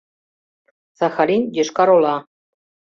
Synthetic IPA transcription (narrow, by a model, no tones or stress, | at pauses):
z̥ɑxɑɾinʲjə̆ʃkɑɾolˠɑ